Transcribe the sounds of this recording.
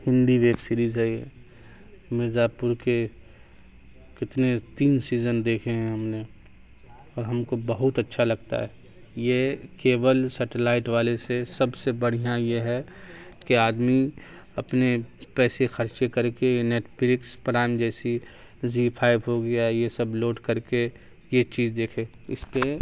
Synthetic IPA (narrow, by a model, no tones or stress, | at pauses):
hɪ̃nd̪iʋeːksiːɾiːzɦɛje | mɪɾd̪aːpʊɾke | kɪt̪net̪iːnsiːzənd̪eːkʰeɦɛ̃ɦɐmne | ɔːɾɦɐmkobɐɦʊt̪ɐtːʃʰalɐɡ̚t̪a̰ɦɛ | jekeːʋəlsɛʈelaːɪʈʋaːlesesɐbsebɐɽ̤ijãjeɦɛkeaːd̪mi | ɐpnepɛːsexɐɾt͡ʃekɐɾkejneːʈʰpɪɾɪkspɾaːɪmd͡ʒɛːsi | ziːpʰaːɪbɦoɡɪjajesɐbloːʈkɐɾke | jet͡ʃiːzd̪eːkʰe | ɪ̰spe